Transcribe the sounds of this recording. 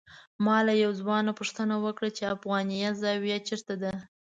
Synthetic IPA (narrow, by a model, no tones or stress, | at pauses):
mɑlajawzwɑnapʊʂt̪ənawəkɽat͡ʃeafɣɑnijazɑwjat͡ʃəɾt̪ad̪a